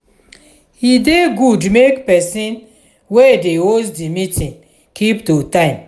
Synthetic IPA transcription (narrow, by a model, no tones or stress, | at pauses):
hideɡudmekpɛsĩn | wedeozdimitʰĩn | kiptutãɪ̃m